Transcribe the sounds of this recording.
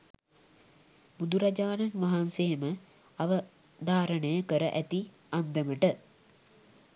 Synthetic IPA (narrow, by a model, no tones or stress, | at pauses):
bud̪uɾad͡ʒaːnanʋɐɦansejmə | aʋə | d̪ʱaːɾəɳəjəkəɾəʔæt̪i | and̪əməʈə